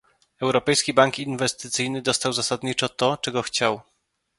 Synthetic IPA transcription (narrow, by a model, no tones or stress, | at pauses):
ɛwɾɔpɛjskʲibaŋkinvɛst̪ɘt̪sɘjnɘd̪ɔst̪awzasad̪ɲit͡ʂɔt̪ɔt͡ʂɛɡɔxt͡ɕaw